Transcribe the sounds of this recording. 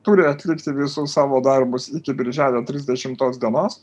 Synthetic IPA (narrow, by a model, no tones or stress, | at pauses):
t̪ʊːɾʲɪɐt̪ʲlʲɪkt̪ʲɪʋʲɪsʊssɑːʋoːd̪ɐɾbʊsɪkʲɪbʲɪɾʲʒʲæːlʲoːt̪ʲɾʲɪzʲd̪ʲɛʃʲɪmt̪oːsd̪ʲiɛnoːs